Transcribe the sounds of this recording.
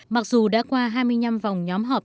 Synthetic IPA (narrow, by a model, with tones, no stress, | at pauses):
ma˨˩k̚zu˨˩ɗa̰ː˧˥kwaː˧ɦaː˧jmɨ˧əjɲa˧mva˨˩wŋ͡mɲɔ˨˦mɦɔː˨˩p̚